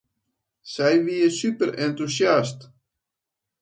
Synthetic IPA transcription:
sɛjviəsypəɾɛnt̪usjast

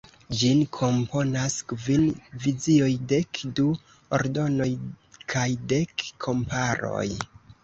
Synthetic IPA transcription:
d͡ʒinkʰo̞mpʰo̞naskvinviziojde̞kdu | o̰ɾdo̞no̞j | kʰajde̞kʰːo̞mpaɾo̞̰j

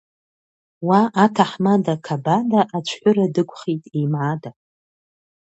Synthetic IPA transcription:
waʔːtʰaħmadakʰabadaʔat͡ʃʷʰħʷᶣʊɾadɨkʷʼχijtʼimʕada

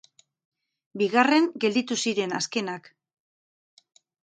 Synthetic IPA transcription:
biɣare̞ŋɡe̞ld̪it̪usiɾe̞na̰ske̞nak

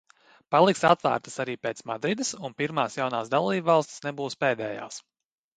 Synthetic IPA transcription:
palˠiksat̪væ̰ːɾt̪ə̥saɾiːpeːt̪smad̪ɾid̪əsunpiɾmaːsjawnaːsd̪alˠiːbvɑlˠst̪i̥snebuːspeːd̪ɛːja̰ːs

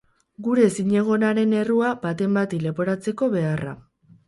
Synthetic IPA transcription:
ɡuɾe̞siɲe̞ɣ̞o̞naɾe̞ne̞ruabat̪e̞mbat̪ile̞po̞ɾat͡se̞ko̞βe̞ara̰

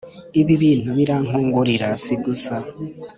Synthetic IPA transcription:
iβiβiːn̥huβiɾaŋoːŋɡuɾiɾasiɡusa

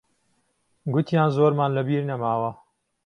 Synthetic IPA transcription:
ɡʊt̪ʰjaːnzoːɾmaːnlɐbiːɾnɐmaːwɐ

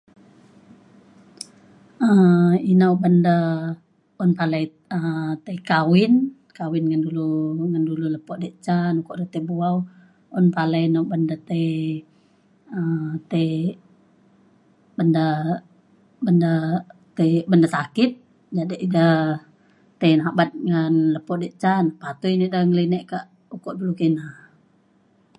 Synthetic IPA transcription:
əinaubəndə | ɔnpalai | ət̪eikawɪn | kawɪnŋənduluŋəndululəpɔʔdəʔt͡ʃanukɔʔdət̪ebuaw | ɔnpalainauwbəndət̪e | ət̪e | bənda | bəndat̪ebəndasakɪt̪̚ | d͡ʒadiʔdə | t̪enabat̪̚ŋənləpɔʔdɛʔt͡ʃanpat̪uinidəhŋəlinɛʔkaʔ | ukɔʔdulukənah

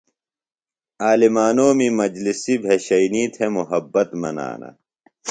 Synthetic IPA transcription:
aːlimaːnoːmimɐd͡ʑlisibʱeɕɐiniːt̪ʰemuɦɐbːɐt̪mɐ̰na̰ːnɐ̰

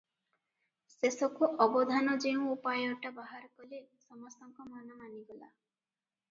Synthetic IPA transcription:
sesɔkuʔɔbɔd̪ʱanɔd͡ʒeũupajɔʈabaɦaɾkɔlesɔmɔst̪ɔŋkɔmanɔmaniɡɔla̰

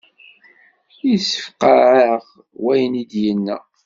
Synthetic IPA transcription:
jsːə̥fqəɾʕəʁ | wæjənid̪jənːæ̰

